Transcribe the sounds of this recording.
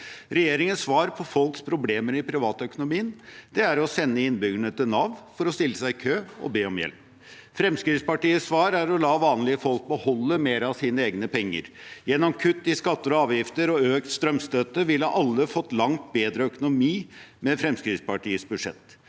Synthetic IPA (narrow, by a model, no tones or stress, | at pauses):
ɾɛjeːɾɪŋənsʋɑːɾpʰɔfɔlkspʰɾʊbleːməɾɪpʰɾɪʋɑːt̪əœkʊnʊmiːənd̪̥ɛæɾɔsɛnːəɪnbʏɡəɳət̪ɪlnɑʋnfɔɾɔst̪ɪlːəsæɪkʰøːɔ̰beːɔmjɛ̰lp | fɾɛmskɾɪːspɑʈiːəsʋɑːɾæɾɔlɑːʋɑːnlɪəfɔlk̚bəhɔlːəmeːɾɑʋsiːnəeːɡnəpʰɛŋːə̰ɾjɛnːɔmkʰʉt̪ːɪskɑt̪ːəɾɔɑːʋjɪft̪əɾɔøːkt̪st̪ɾœmst̪øːt̪əʋɪlːɑʔɑlːəfɔt̪ːlɑŋt̪̚beːd̪ɾəœkʊnʊmiːmɛfɾɛmskɾɪspɑʈiːəsbʉʂɛ̰t̪ː